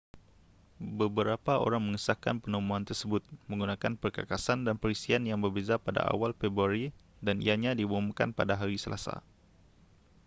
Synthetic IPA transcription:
bəbəɾapaʔo̰ɾaŋməŋəsaka̰npənəmuant̪ərsəbʊt̪̚mə̃ŋɡunakanpərkakasandanpəɾisianjaŋbərbezapada̰ʔa̰walfebɾuaɾi | danḭjaɲadibumuka̰npa̰daɦaɾisəlʔa̰sa̰

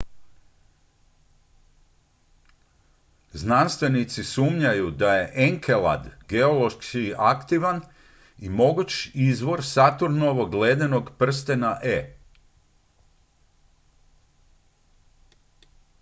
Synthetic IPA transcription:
znanst̪ʋe̞nit̪sisuːmɲajud̪aje̞ʔeŋkʰelˠa̰d̪ɡeo̞lo̞ʃkiakt̪iʋan | imo̞ɡut͡ʃizʋo̞ɾsat̪uɾnoʋoɡleːd̪eno̞ɡpr̩st̪enaʔe

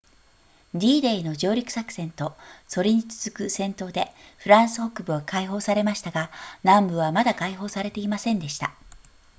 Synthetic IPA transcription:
d̪ʲiːd̪e̞ino̞ʑo̞ːɾʲikɯ̟̥sakɯ̟̥sẽ̞nt̪o̞so̞ɾʲiɲ̟it͡sɨ̥z̥ɨkɯ̟sẽ̞nt̪o̞ːd̪e̞ɸɯ̟ɾãɰ̃sɨ̥ho̞kɯ̟bɯ̟βakaiɦo̞ːsaɾe̞maɕi̥t̪aɡanãmbɯ̟βamad̪akaiɦo̞ːsaɾe̞t̪e̞imasẽ̞nd̪e̞ɕi̥t̪a̰

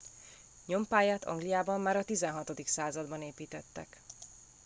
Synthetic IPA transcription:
ɲo̞mpaːjaːt̪ɒ̰ŋɡlijaːbɒmːaːɾɒt̪izɛnɦɒt̪o̞d̪iksaːzɒd̪bɒneːpiːt̪ɛt̪ːɛ̰k

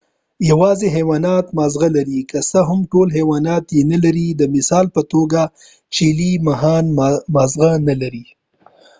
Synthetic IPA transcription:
jawɑzeɦewɑːnɑt̪mɑzɣalaɾikəsəɦʊmʈolɦewɑnɑt̪jenalaɾid̪əmɪsɑːlpət̪oɡa | t͡ʃelimaɦɑnmɑzɣanalaɾi

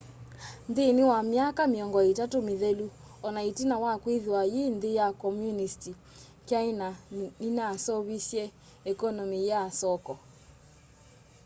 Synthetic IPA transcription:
nðenewamjakameɔŋɡɔetatomeðelu | ɔnaitinawakwiðwajenðejakɔmjunisti | kjainainasɔβisjɛ | ɛkɔnɔmijasɔkɔ

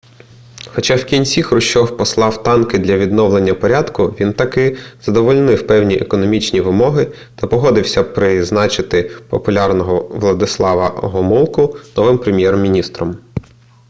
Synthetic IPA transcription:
xɔt͡ʃɑwkʲinʲsʲixɾʊʃɔwpɔslˠɑwt̪ɑnkɪd̪lʲɐʋʲid̪nɔʋlˠenʲːɐpɔɾʲad̪kʊʋʲint̪ɐkɪz̥ɐd̪ɔʋɔlʲnɪwpɛwnʲiʔḛkɔnɔmʲit͡ʃnʲiʋɪmɔɦɪ | t̪ɐpɔɦɔd̪ɪwsʲɐpɾɪznɑt͡ʃɪt̪ɪpɔpʊlʲɑrnɔɦɔʋlˠɐd̪ɪslˠɑʋɐɦɔmulˠkʊnɔʋɪmpɾemʲjɛrmʲinʲist̪ɾɔm

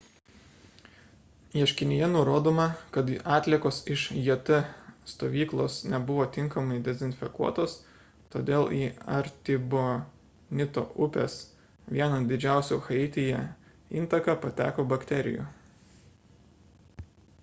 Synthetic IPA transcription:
jiɛʃʲkʲɪnʲɪjɛnʊɾoːd̪oːmɐkɐt̪ɑːt̪ʲlʲiɛkoːsɪʃjiɛt̪ɐst̪oːʋʲiːklˠoːsnʲɛbʊʋoːt̪ʲɪŋkɐmɐɪd̪ʲɛzʲɪnʲfʲɛkuɔt̪oːs | t̪oːd̪ʲeːlˠiːɐ̰ɾʲt̪ʲɪbo | nʲɪt̪o̰ːʔʊpʲḛːs | ʋʲiɛnɐd̪ʲɪd͡ʒʲæˑʊsʲuxɐɪt̪ʲɪjɛ | int̪ɐkɐpɐt̪ʲæ̰ːkoːbɐkt̪ʲɛɾʲɪ̰jṵˑ

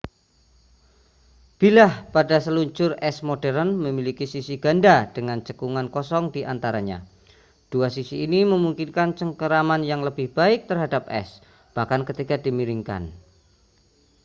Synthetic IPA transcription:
b̥ilahpadasəluɲt͡ʃʊrɛsmodɛɾənməmilikisisiɡ̥andad̥əŋant͡ʃəkuŋankɔsɔŋdiʔant̪aɾaɲa̰ | d̥uasisiːniməmuŋkinkant͡ʃəŋkəɾamanjaŋləbɪhb̥aɪk̚t̪ərɦadap̚ɛ̰s | b̥ahkankət̪ikadimiɾɪŋka̰n

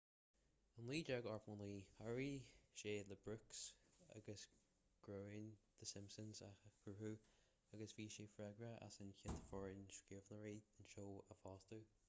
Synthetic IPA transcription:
ənlˠiːd͡ʒaɡɑɹfmɔnliːhaɹiʃeːləbɹʉksa̰ɡəs | ɡ̥ɹoːɪŋðəsɪ̃mpsənzakʰuhu | aɡəsviːʃeːfɹɛɡɹəʔa̰sənkɪt̪fɔɹɪnʃkɪvnəɹeːdənʃoːəfɑːst̪ə

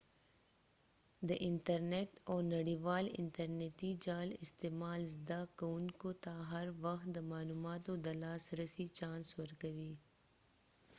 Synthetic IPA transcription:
d̪əʔɪnʈəɾneːʈɔːɾnɐɽiːʋaːlɪ̰nʈəɾneːt̪id͡ʒaːlɪ̰st̪eːmaːlzd̪aːkɐʊnkot̪aɦɐɾʋɐxt̪d̪əmaːluːmaːt̪õd̪ɐlaːsɾəsit͡ʃãːnswɐɾkɐʋiː

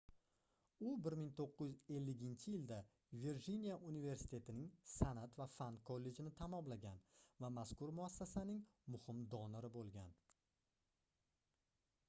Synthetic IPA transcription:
ʊbɪɾmɪŋt̪ʰoqʰːɨjze̞lːɪɡʲɪnt͡ʃʰɪjɪld̪a | veɾd͡ʒinʲijaʔunive̞ɾsɪ̥t̪ʰe̞t̪ʰɪnɪŋsanat̪vafankʰolːe̞d͡ʒɪnɪt̪ʰamɒmlaɡʲanvamaskʊɾmʊasːasanɪŋmʊhɪmd̪ɒnɪɾɪbolˠɡʲan

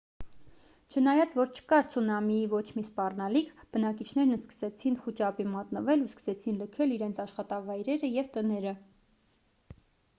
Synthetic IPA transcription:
t͡ʃʰənɑjɑt͡svɔɾt͡ʃʰə̥kɑɾt͡sʰunɑmiivɔt͡ʃʰmispɑrnɑlikʰb̥ənɑk̬it͡ʃʰnɛɾnəskə̥sɛt͡sʰinχut͡ʃɑpimɑt̪nəvɛluskə̥sɛt͡sʰinləkʰɛliɾɛnt͡sʰɑʃχɑt̪ɑvɑjɾɛɾəjɛvt̪ənɛɾə

